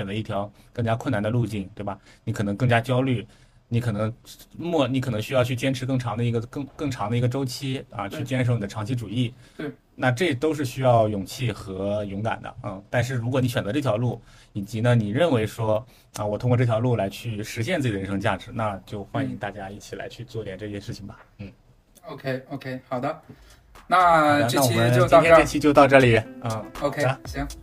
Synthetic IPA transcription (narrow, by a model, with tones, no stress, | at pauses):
ɛ˨˩nlə˦˥i˥˩t̪ʰjɑ˧˥ʊkɤ˥˩ŋt͡ɕja˥kʰwə˥˩na˧˥nd̪ə˧lu˥˧t͡ɕi˥˩nt̪we˥˩ɪbɐ˩ni˧˥kʰɤ˨˩nɤ˧˥ŋkɤ˥˩ŋt͡ɕja˥t͡ɕjɑ˥ʊly˥˩ | ni˧˥kʰɤ˨˩nɤ˧˥ŋmwɔ˥˩ni˧˥kʰnɤ˧˥ŋɕy˥jɑ˥˧ʊt͡ɕʰy˥˩t͡ɕjɛ˥nʈ͡ʂʰɻ̩˧˥k̬ɤ˥˩ŋʈ͡ʂʰɑ˧˥ŋd̪ə˧i˧˥ɡə˧kɤ˥˧ŋkɤ˥˩ŋʈ͡ʂʰɑ˧˥ŋd̪ə˧i˧˥ɡə˧ʈ͡ʂo˥ʊt͡ɕʰi˥ɐ̰˥˧t͡ɕʰy˥˩t͡ɕjɛ˥nʂo˧˥ʊn˨˩d̪ə˧ʈ͡ʂʰɑ˧˥ŋt͡ɕʰi˥ʈ͡ʂu˨˩i˥˩ | na˥˧ʈ͡ʂɤ˥˩t̪o˥ʊʂ̬ɻ̩˥˩ɕy˥jɑ˥˩ʊjʊ˨˩ŋt͡ɕʰi˥˩xɤ˧˥jʊ˧˥ŋka̰˨˩nd̪ə̰˦ə˥˧t̪a˥˧nʂ̬ɻ̩˥˩ɻu˧˥kwɔ˨˩ni˥ɕɛ˨˩nd͡zʈ͡ʂɤ˥˩jɑ˧˥ʊlu˥˩ | i˨˩t͡ɕi˧˥nə˧ni˨˩ɻə˥˩nwe˧˥ɪʂwɔ˥ | ə˧wɔ˨˩t̪ʰʊ˥ŋkwɔ˧ʈ͡ʂɤ˥˩jɑ˧ʊlu˥˩la˧˥ɪt͡ɕʰy˥˩ʂɻ̩˧˥ɕjɛ˥˧nt͡s̩˥˩˨ə˧˥ʂɤ˧˥ŋt͡ɕja̰˥˩ʈ͡ʂɻ̩˧˥na˥˧t͡ɕjo˥˧ʊxwa˥˩ni˧˥ŋt̪a˥˩t͡ɕja˥i˥˩t͡ɕʰi˨˩la̰˧˥ɪt͡ɕʰy˥˧t͡swɔ˥˧˥t̪jɛ˨˩ʈ͡ʂɤ˥˩ɕjɛ˥ʂɻ̩˥˩t͡ɕʰi˩ŋbɐ˩ | n̩˥˩ | o˧ʊkʰe˧˥ɪo˧kʰe˥ɪxɑ˨˩d̪ə˦ | na˥˧˦na˥˩wɔ˨˩ə˦t͡ɕt͡ɕi˥nʰ˥ʈ͡ʂə˥˧t͡ɕʰi˥t͡ɕjo˥˧ʊt̪ɑ˥˧ʊʈ͡ʂɤ˥˩li˨˩n̩˥˩o˥˧kʰa˧˥ɛ˥